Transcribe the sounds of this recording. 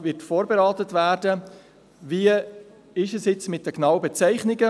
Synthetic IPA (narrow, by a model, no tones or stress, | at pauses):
vɪtfoːɾbeɾɑːt̪ətvæːɾdə | viːə | ɪʃɛsjɪt͡smɪt̚d̥əknaʊəbɛt͡sɛɪχnɪɡə